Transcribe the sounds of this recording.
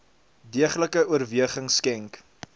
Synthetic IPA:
diəχləkəuərviəχəŋskɛŋk

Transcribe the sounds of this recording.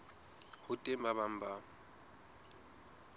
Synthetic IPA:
hʊtʼembaβam̩ba

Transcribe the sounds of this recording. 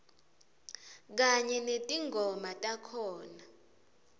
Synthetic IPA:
k̬aɲɛnetʼiŋʱɔmatʼakʰɔːna

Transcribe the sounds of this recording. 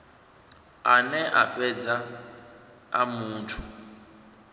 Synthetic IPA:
anɛʔa̰pʼɛd͡za | a̰muːntʰu

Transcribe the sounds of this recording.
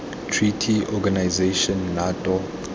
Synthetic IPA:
tʰritʰiɔɡanajzeʃɔnːatʼɔ

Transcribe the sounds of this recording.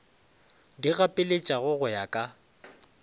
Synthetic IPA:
diɣapʼɪlet͡ʃʼaɣʊɣʊjakʼa

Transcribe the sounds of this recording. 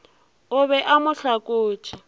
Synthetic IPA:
ʊβɛʔamʊɬakʼoːt͡ʃʼɪ

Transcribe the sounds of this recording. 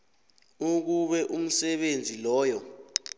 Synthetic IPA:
uk̬uɓɛʔum̩sɛɓend͡zʱilɔːjɔ

